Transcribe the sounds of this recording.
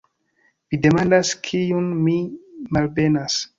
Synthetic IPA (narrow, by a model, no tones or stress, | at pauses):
vide̞mandaskʰiunmimalbenas